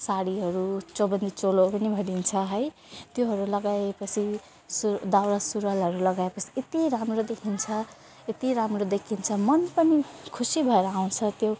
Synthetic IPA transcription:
saɽiɦʌɾut͡sʌbʌnd̪it͡solopʌnibʱʌɾint͡sʰʌɦʌj | t̪joɦʌɾulʌɡaepʌt͡sʰi | sud̪awɾasuɾʌlɦʌɾulʌɡaepʌt͡sʰi̥et̪iɾamrod̪ekʰint͡sʰʌ | et̪iɾamrod̪ekʰint͡sʰʌmʌnpʌnikʰusibʱʌeɾʌaw̃t͡sʰʌt̪jo

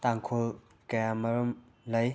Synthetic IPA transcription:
taŋkʰol | kɐjamɐɾum | lɐj

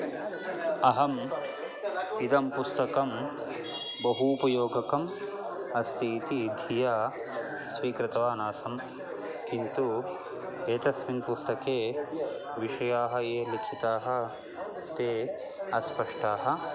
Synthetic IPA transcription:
ɐɦɐm | id̪ɐmpust̪ɐkɐm | bɐɦupɐjoːɡɐkɐm | ɐst̪ʰiːt̪iːd̪ʱijaː | sʋiːkɾɪt̪ɐʋaːnaːsɐm | kint̪u | eːt̪ɐsminpust̪ɐkeː | ʋiʂɐjaːɦɐ̆eːlikʰit̪aːɦɐ̆ | t̪eː | ɐspɐʂʈaːɦɐ̆

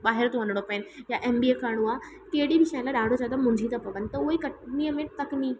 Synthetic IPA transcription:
ɓaːɦɪɾt̪oʋɐ̃nɽ̃opəɪnɪ̆jaʔeːmbiekʰaɾɽ̃oaː | keɦɪɗibʱɪʃaːlaɗaːɖʱod͡ʑaːd̪amʊ̃ɲd͡ʑʱit̪ɐpɐʋənɪt̪ɐʊɦekɐʈniːəmẽt̪ɐkniː

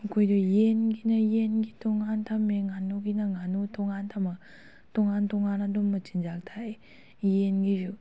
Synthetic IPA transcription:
kʰojdojenɡinajenɡitʰoŋantʰamːeŋanuɡinaŋanutʰoŋant̪ʰama | tʰoŋantʰoŋanadumːɯt͡ʃind͡ʒak̚tʰaje | jenɡizu

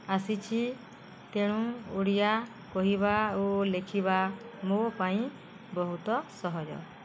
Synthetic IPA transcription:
asit͡ʃʰi | t̪eɽ̃ũoɽija | kɔɦiβaolekʰiβamopaĩ | bɔɦut̪ɔsɔɦɔd͡ʒɔ̰

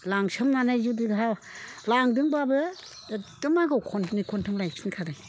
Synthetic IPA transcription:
laŋsɯmnanajzudiɡɦawlaŋdɯŋbabɯ | dɯmaɡɯwkʰɔnnikʰɔntʰɯmlajtʰinkʰadaj

